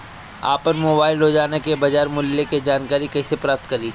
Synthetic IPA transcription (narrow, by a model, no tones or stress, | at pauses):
a̰ːpənmoːbaːɪlɦod͡ʒaːnekebɐd͡ʒaːɾmʊlːeked͡ʒaːnkaːɾikɛːsepɾaːp̚t̪̚kɐɾiː